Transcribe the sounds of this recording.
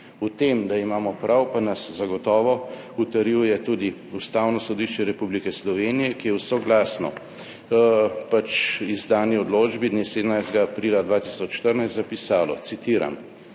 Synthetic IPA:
ut̪eːmd̪aimaːmɔpɾawpanaszaɡɔt̪ɔːʋɔ | ut̪ɐɾiwjɛt̪ud̪i | ust̪aːwnɔsɔd̪iʃt͡ʃɛɾɛpublikɛslɔʋeːnijɛkijɛwsɔɡlaːsnɔ̰ | pat͡ʃizd̪aːniɔd̪loːd͡ʒbid̪neseːd̪əmnajst̪ɡaːpɾiːlad̪ʋaːt̪isɔt͡ʃːt̪əɾnajst̪zapisaːlɔ̰t̪sit̪iːɾa̰m

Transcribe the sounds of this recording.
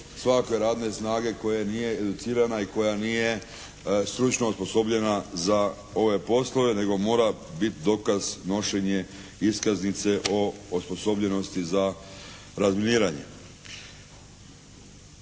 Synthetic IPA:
sʋakʋe̞ɾaːd̪ne̞snaːɡe̞ko̞jenije̞ed̪ut̪siːɾanaiko̞janije̞ | st̪ɾut͡ʃnouspo̞so̞bʎe̞naza | o̞ʋe̞po̞slˠo̞ʋe̞ne̞ɡo̞mo̞ːɾabit̪id̪o̞kazno̞ʃeɲe̞ | iskaznit̪se̞ʔo̞ospo̞so̞bʎe̞no̞st̪iza | ɾazminiːɾaɲe̞̰

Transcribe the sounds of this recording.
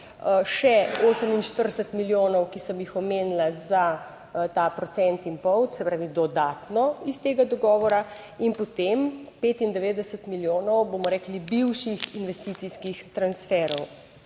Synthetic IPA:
ʃɛosəminʃt̪əɾd̪ɛsət̪miljonɔwkisəmjixɔmeːnlaza | t̪aːpɾɔt̪sɛnt̪inpɔwt̪sɛpɾaːʋid̪ɔd̪aːt̪nɔist̪eːɡad̪ɔɡɔːʋɔɾa | inpɔt̪empeːt̪ind̪ɛʋeːd̪ɛsət̪miljoːnɔwbomɔɾɛːklibiwʃixinʋɛst̪it̪siskixt̪ɾansfɛːɾɔw

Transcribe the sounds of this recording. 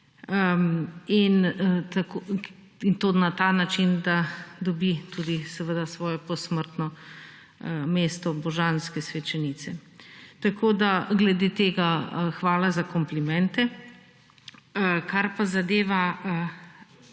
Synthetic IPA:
ə | int̪ako | int̪onat̪anat͡ʃind̪ad̪ɔbit̪ud̪isɛʋəd̪asʋɔːjɛpɔsməɾt̪nɔ | meːst̪ɔbɔʒanskɛsʋɛt͡ʃɛnit̪sɛt̪akʰoːd̪aɡlɛd̪et̪eːɡaxʋaːlazakɔmplimɛnt̪ɛ | kaɾpazad̪eːʋaə

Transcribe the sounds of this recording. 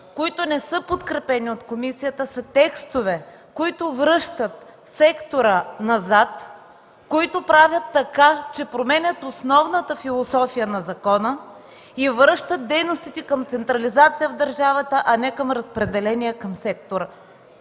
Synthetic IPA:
koit̪ʊnɛsɤpot̪kɾɛpɛniot̪komisijət̪əsət̪ɛkst̪ovɛ | koit̪ʊvɾɤʃt̪ət̪ | sɛkt̪oɾənɐzat̪ | koit̪ʊpɾavʲjɐt̪ːɐkat͡ʃɛpɾomɛnʲət̪osnɔvnət̪əfilˠosɔfijənɐzɐkɔnə | ivɾɤʃt̪ət̪̚d̪ɛjnost̪it̪ɛkəmt̪sɛnt̪ɾɐlizat̪sijəvd̪əɾʒavət̪əʔɐnɛkəmɾɐspɾɛd̪ɛlɛniɛkəmsɛk̚t̪oɾə

